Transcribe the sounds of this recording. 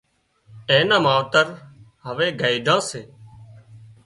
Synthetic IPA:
eːnãːmãːʋt̪əɾ | ɦəʋeːɡəːiɖʱãːseː

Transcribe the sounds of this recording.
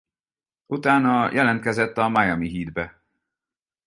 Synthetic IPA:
ʔut̪aːnɒjʔɛlɛnt̪kɛzɛt̪ːɒmajɒmiɦiːd̪bɛ

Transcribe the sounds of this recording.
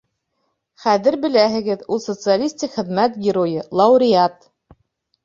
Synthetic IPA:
χæðɘɾbɘ̆læɦɘ̆ɡɘðulˠsot̪sɨalʲisʲt̪ʲikχɘ̆ðmæt̪ɡʲɪɾojɤlˠɑuɾʲɪɑt̪

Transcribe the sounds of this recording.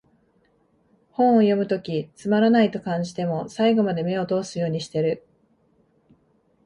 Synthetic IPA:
hõ̞ɰ̃ojo̞mɯ̟t̪o̞kʲit͡sɨmaɾanait̪o̞kãɲ̟d͡ʑi̥t̪e̞mo̞saiɡo̞mad̪e̞me̞o̞t̪o̞ːsɨjo̞ːɲ̟iɕi̥t̪e̞ɾɯ̟

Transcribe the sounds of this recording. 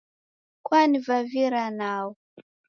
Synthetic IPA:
kwanivaviɾanaw

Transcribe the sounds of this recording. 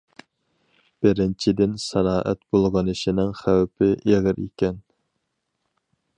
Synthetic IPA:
b̥ɪɾɪnt͡ʃʰid̪ɪnsæɾɑːʔæ̰t̪b̥olˠʁɑnɨʃinɪŋχæwpʰɪʔeʁɨɾḛkʲɛn

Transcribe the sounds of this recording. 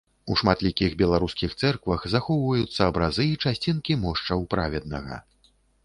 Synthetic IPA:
uʂmat̪lʲikʲiɣbʲɛlˠaɾuskʲixt̪sɛrkvɐɣzaxɔwvɐjut̪sːɐːbɾazɨːt͡ʂasʲt͡sʲinkʲimɔʂt͡ʂɐwpɾavʲɛd̪nɐ̰ɣɐ̰

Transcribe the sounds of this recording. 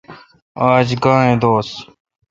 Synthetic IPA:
aːd͡ʒɡãːɳẽːd̪oːs

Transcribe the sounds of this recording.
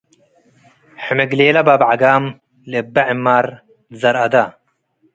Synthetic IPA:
ħimeɡleːlɐbabʕaɡaːm | lebɐʕimːaːɾ | zɐɾɐd̪a

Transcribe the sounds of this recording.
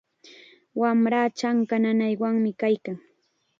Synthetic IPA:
wamɾaːt͡ʃaŋkananajwaŋmɪkajkaŋ

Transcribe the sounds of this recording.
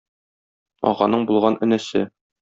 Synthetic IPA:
ɒ̰ʁɑnɤɴbulˠʁɑnʔɵ̆næsɘ

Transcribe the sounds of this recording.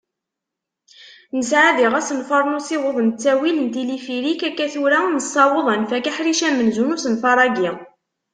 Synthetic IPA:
nəsʕaðiʁæsənfɑɾˤnusɪwoðˤənt͡sːæwilənt̪ilifiɾikækːæθuɾænəsˤːɑwəðˤænfækæħɾiʃæmənzunusənfɑɾˤɑɡi

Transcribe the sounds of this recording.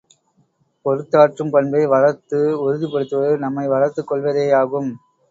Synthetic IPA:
pɔɾɯt̪ːaːʈrɯmpɐnbɐɪʋɐɻɐɾt̪ːɯɔɾɯðɯpɐɽɯt̪ːɯʋɐðɯnɐmːɐɪʋɐɻɐɾt̪ːɯkːɔɭʋɐðeːjaːɣɯm

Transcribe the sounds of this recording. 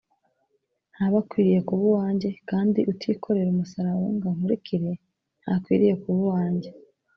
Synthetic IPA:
nhaβakwiːɾije̞kuβuwaːɲɟe̞kaːndiʔutʰiːkʰo̞ɾe̞ɾumusaɾaɾuŋɡaŋ̥uɾekiɾe̞ | n̥hakwḭːɾije̞kuβuwaːɲɟe̞

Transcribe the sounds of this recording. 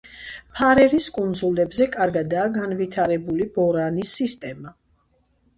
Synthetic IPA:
pʰaɾɛɾiskʼund̪zulɛbzɛkʼaɾɡad̪aːɡanvit̪ʰaɾɛbulib̥ɔɾanisːist̪ʼɛma

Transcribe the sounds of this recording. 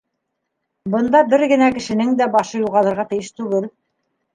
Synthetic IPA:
bɤ̆nd̪ɑbɘɾɡɘ̆nækɘ̆ʃɘ̆nɘŋd̪æbɑʃɤjuʁɑlˠɤ̆ɾʁɑt̪ɘ̆jɘʃt̪ʉɡɘl

